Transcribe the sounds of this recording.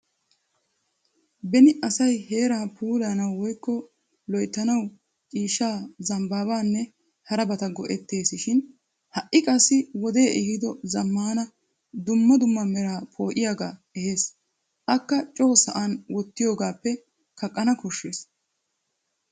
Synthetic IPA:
bɛnɪʔɐsɐjhe̞ːɾaːpʰuːlaːnɐwwɔjkːɔ | lɔjt̪ːɐnɐw | t͡ʃʼiːʃːaːzɐmbaːbaːnːɛ | hɐɾɐbɐt̪ɐɡɔʔɛt̪ːe̞ːsɪʃɪn | hɐʔʔːɪkʼɐsːɪwɔd̪e̞ːʔɛhɪd̪ɔzɐmːaːnɐ | d̪ʊmːɐd̪ʊmːɐmɛɾaːpʰo̞ːʔɪjaːɡaːɛhe̞ːs | ʔɐkːɐt͡ʃʼo̞ːsɐʔanwɔt̪ːɪjo̞ːɡaːpːɛ | kɐkʼːɐnɐkɔʃːeːs

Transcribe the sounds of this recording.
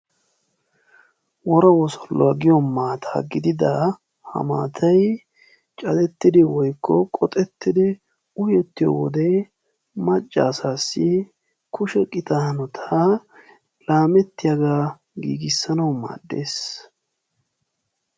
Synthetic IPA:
wɔɾɐwɔsɔlːɔwaɡɪjɔmaːt̪ʰa̰ːɡɪd̪ɪd̪ɐ | hɐ̰ma̰ːt̪ʰɐj | t͡ʃʼɐd̪ɛt̪ːɪd̪ɪwɔjkʰːɔkʼɔt̪ʼɛt̪ːɪd̪ɪ | ʊjɛt̪ːɪjɔ̰wɔd̪ɛ | mɐt͡ʃʼːaːsaːsːɪ | kʰʊʃɛkʼɪt̪ahnɔt̪ʰa | laːmɛt̪ːɪjɐɡaː | ɡḭːɡɪsːɐnɐwma̰ːd̪ːe̞ːs

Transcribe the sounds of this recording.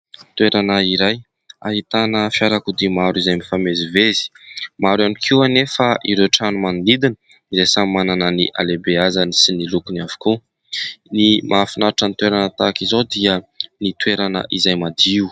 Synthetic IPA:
t̪weɾanaiɾaj | aɦit̪anəfjaɾakud̪imaɾizajmifamezivezi̥maɾanikʰiwanefaʔiɾewʈ͡ʂanumanulid̪inə | iɾesammanananiʔa̰lebeazanisinilukunavu̥ku | nimʔafinaɾʈ͡ʂənit̪weɾanət̪akizod̪iənit̪weɾanə̰ʔizajmad̪iu

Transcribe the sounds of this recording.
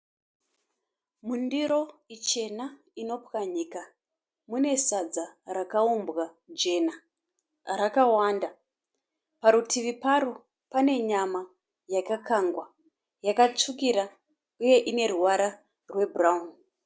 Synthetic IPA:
mundiɾo̞it͡ʃe̞na | ino̞pkaɲika | mune̞sad͡zarakaumbɣa | d͡ʒe̞na | ɾakawanda | paɾutiʋipaɾu | pane̞ɲama | jakakaŋɡwa | jakat͡ʂukiɾa | uje̞ʔine̞ruwaɾa | rwe̞buraun

